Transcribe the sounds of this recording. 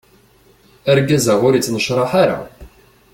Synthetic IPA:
æɾɡæzaʁʊɾit͡sːnəʃɾˤɑħaɾa̰

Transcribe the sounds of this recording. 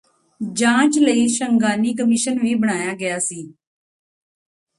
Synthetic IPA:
d͡ʒãːt͡ʃləiːʃəŋɡaːniːk̬əmɪʃənʋiːbəɽ̃aːjaːɡɪjaːsiː

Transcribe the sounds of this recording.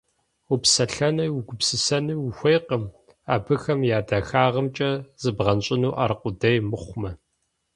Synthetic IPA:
upsɐɬɐnɐwʊɡʷʊpsɨsɐnɨwʊxʷejqəm | aːbɨxɐmjaːdaxaːʁɐmt͡ʃʼɐzɨbʁɐnɕʼɪnuːʔɐrqʷʊdɐjmɨχʷmɐ

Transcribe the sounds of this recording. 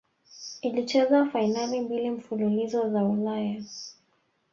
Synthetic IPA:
ilit͡ʃɛzafainalimbilim̩fululizɔzaulaja

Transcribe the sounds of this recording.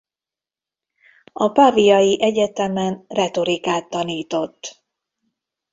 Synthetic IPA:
ɒpavijɒjiʔɛɟɛt̪ɛmɛnrɛt̪o̞ɾikaːt̪ːɒniːt̪o̞t̪ː

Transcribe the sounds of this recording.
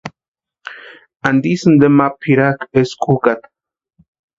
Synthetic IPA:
and̪isɨnd̪emapʰiɾakeskʼukat̪

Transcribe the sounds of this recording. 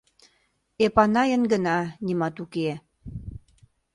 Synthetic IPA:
epɑnɑjənɡənɑnimɑt̪uke

